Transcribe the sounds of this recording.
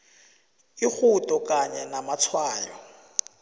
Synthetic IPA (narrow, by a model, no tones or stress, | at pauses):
ɪk͡xʰutʼɔkʼaɲanamat͡sʰwaːlɔ